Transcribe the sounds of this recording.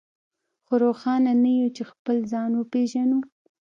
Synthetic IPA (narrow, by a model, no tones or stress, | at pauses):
xoɾoxɑnanajut͡ʃexpəlzɑnwəpeʒanu